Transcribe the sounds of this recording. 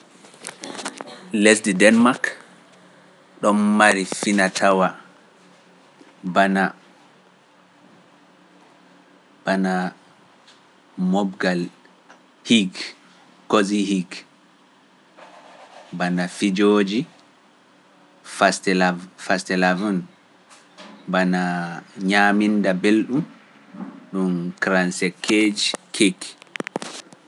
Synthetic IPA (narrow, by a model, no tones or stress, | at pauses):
lesdidɛnmak | ɗɔmːaɾifinatʰawa | bana | bana | mɔbɡal | hiɡ | koziɦiɡ | banafid͡ʒoːd͡ʒi | fastɛfastɛlavun | banaɲaːmindabelɗum | ɗunkɾansɛkʰːed͡ʒikʰekːi̥